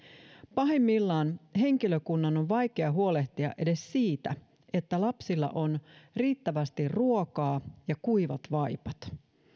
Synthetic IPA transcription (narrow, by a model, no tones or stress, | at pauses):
pɑɦemːilːɑːnɦe̞ŋkiløkunːɑnoʋʋɑjkeɑɦuo̞le̞ht̪iɑ̰ʔe̞de̞ssiːt̪æ̰ | e̞t̪ːælɑpsilːɑ̰ʔo̞nriːt̪ːæʋæst̪irruokɑːjɑkuiʋɑt̪ʋɑjpɑt̪